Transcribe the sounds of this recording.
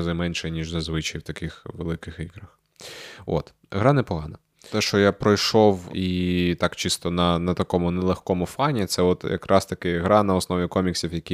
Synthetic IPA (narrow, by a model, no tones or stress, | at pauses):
zɪmɛnʃɛnʲiʒzɐzʋɪt͡ʃijwt̪ɐkɪxʋelˠɪkɪxiɣɾɐx | ɔ̰t̪ | ɦɾɑnɛpɔɦɑnɐ | t̪ɛʃt͡ʃɔjapɾɔjʃɔwit̪ɑkt͡ʃist̪ɔnɐnɐt̪ɐkɔmʊnɛlˠɐxkɔmʊfɑnʲit̪sɛɔt̪jɐ̰kɾʔɑst̪ɐkɪɦɾɑnɐɔsnɔʋʲikɔmʲiksʲiwjɐkʲi